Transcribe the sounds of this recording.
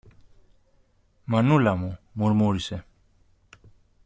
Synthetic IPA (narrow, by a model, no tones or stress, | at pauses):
manulamumuɾmuɾise